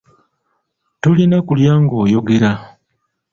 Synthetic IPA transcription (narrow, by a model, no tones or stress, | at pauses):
tulinakuljaːŋɡo̞ːjo̞ɡe̞ɾa